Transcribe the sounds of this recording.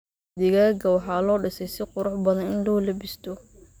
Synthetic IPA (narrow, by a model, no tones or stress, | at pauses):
d̪ɪɣaːɡɐwɑħɑːlɔːɖɪsɛjsɪqʊɾʊħbɐðɐnɪnlɔːlɐbɪst̪ʰɔ